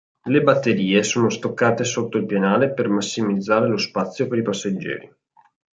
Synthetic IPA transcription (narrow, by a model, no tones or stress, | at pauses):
lebat̪ːeɾiːesoːnost̪okːaːt̪esot̪ːoilpjenaːlepermasːimid̪zːaːɾelospat̪sːjopeɾipasːad͡ʒːɛ̰ːɾi